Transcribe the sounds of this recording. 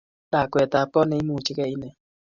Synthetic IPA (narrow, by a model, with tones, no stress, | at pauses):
da˨kʷɛ˨ta˨k͡pɔ˦ne˧i˦mu˦˨t͡ʃi˦kɛ˦˨i˦nɛ˨